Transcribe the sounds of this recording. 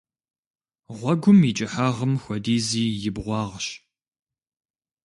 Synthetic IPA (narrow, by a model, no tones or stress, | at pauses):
ʁʷɔɡʷʊmiːt͡ʃʼɪħaːʁəmxʷɔdiːziːjɪbʁʷɑːʁɕ